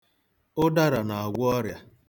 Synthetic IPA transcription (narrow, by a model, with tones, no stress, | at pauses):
ʊ˦da˦ɾa˨na˨a˨ɡʷʊ˦ɔ˦ɾja˦